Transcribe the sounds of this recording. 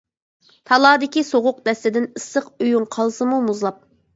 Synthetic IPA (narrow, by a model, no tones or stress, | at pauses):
t̪ʰɑlˠɑːd̪ɪkʲisoʁʊq̚d̪ɛst̪ɪd̪ɪnɨsːəqøjuŋqʰɑlˠsɨmumuzlˠɑp̚